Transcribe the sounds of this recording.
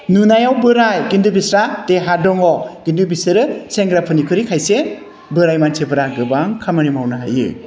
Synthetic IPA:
nunajawbɯɾajɡindɯbisɾateɦadɔŋɔɡ̥indɯbisɯɾɯseŋɡɾapʰɯnikʰɯɾikʰajse | bɯɾajmansʰebɯɾaɡɯbaŋkʰamɯnimawnaɦa̰jɯ̰

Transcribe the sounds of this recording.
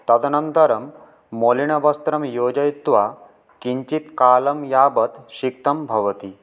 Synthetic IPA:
t̪ɐt̪nənt̪əɾəmː | oliɳ̃ɐbɐst̪ɾɐmjod͡ʑɐjit̪ʋa | kiɲt͡ɕit̪kaləmjabət̪ɕik̚t̪ɐmbʱɐʋət̪i

